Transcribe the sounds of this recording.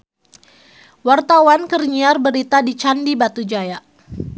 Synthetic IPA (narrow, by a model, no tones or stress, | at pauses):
wart̪awankərɲiarbəɾit̪adit͡ʃandibat̪ud͡ʒaja